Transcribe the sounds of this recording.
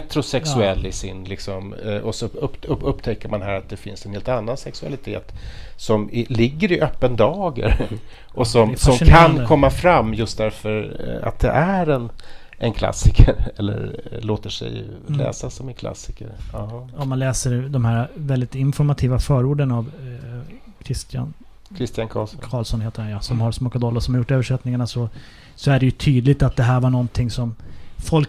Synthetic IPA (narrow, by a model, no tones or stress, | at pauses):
t̪ɾʊsɛksʉɛlːɪsɪnlɪksɔmʔɔsɔpɵpːt̪ʰɛkːəɾmanɦæːɾat̪̚d̪ɛfɪnsɛnheːlt̪anːansɛksɵa̰lɪt̪ʰeːt̪sɔmɪlɪɡːəɾɪʔœpːənd̪ɑːɡə̰ɾ | ʔɔsɔmsɔmkʰannkʰɔmːafɾamːjɵst̪̚d̪æɾfœɾa̰t̪̚d̪ɛ̰ʔæɾɛn | ʔɛnkʰla̰sːɪkʰəɾɛlːə̰ɾɭoːt̪əʂɛ̰j | lɛ̰ːsasɔmɛnkʰla̰sɪ̥kəɾɔmːanlɛːsəɾd̪ɔmhæːɾavɛld̪ɪt̪ɪnfɔɾmat̪ʰiːvafœːɾuːɖənav | kʰɾɪst̪ɪja̰n | kʰɾɪst̪ɪjankʰɑ̰ːlskʰɑːlsɔnheːt̪ədɛnjasɔmhaɾsmɔkad̪ɔlːɔsɔmhaɾjʊʈːøːvəʂɛt̪nɪŋaɳasɔ | sɔæɖɛjɵt̪ʰyːd̪lɪt̪at̪̚d̪ɛɦæːɾvaɳɔnt̪ʰɪŋːsɔmfɔlk